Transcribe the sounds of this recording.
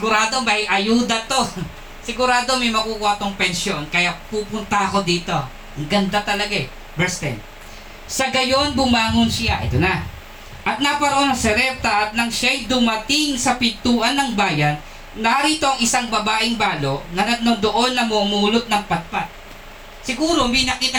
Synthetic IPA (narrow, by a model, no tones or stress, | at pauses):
sɡʊɾaːd̪omɐjʔɐjuːd̪ɐt̪o̞ | sɪɡʊɾaːd̪o̞mɐjmɐkukuhat̪oŋpɛnsjo̞nkɐjapuːpʊnt̪ɐʔɐko̞d̪iːt̪o̞ | ɐŋɡɐnd̪at̪ɐlɐɡaɛ | bɛɹst̪ɛ̰n | sɐɡɐjo̞nbʊmaːŋʊnsɪaʔɛ̰t̪onɐ | ʔɐt̪̚napɐɾɐʔo̞nɐŋsɛɾɛp̚t̪ɐʔɐt̪̚nɐŋʃajd̪ʊmɐt̪ɪŋsɐpɪt̪uːʔɐnːɐŋbaːjɐnː | ɐɾiːt̪o̞ɐŋɪsaŋbɐbaːʔɪŋbaːlo̞ʔnɐnɐɡ̚noŋd̪oʔo̞nːɐmoʔmuːlʊt̪̚nɐŋpɐd̪̚pat̪̚ | sɪɡuːɾombinɐkiːt̪ɐ